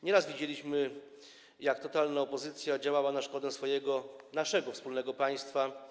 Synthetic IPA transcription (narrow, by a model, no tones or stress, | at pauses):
ɲɛɾasvʲid͡ʑelʲiɕmɘ | jakt̪ɔt̪alnaɔpɔzɘt̪sʲjad͡ʑawawanaʂkɔd̪ɛsfɔjɛɡɔnaʂɛɡɔfspulnɛɡɔpaj̃st̪fa